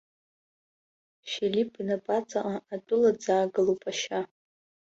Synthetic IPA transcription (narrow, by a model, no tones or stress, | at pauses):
filipʰʼinapʼat͡sʼaʔaatʼʊlad͡zaːɡɨlupʼaʃa